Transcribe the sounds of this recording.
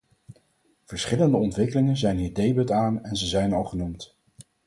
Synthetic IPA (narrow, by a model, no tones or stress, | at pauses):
v̥əɹsχɪləndəɔntʋɪkəlɪŋənzɛjnɦiːɹdejbɵtaːnɛnzəzɛjnɑlˠχənumt